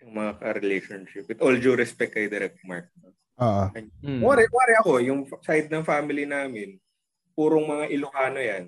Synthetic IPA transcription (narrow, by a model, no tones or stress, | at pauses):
jʊŋmɐŋakɐɾɛlejʃonʃɪpɪt̪ʔold͡ʒʊɾɪspɛk̚kːɐjd̪ɛɾɛk̚t̪ma̰ɹk̚nɐ | oːʔoɐmaːɾɛmaːɾɛʔɐko̞jʊŋsajd̪̚nɐŋfaːmɪlinaːmɪn | puːɾoŋmɐŋaʔɪlʊhaːno̞jan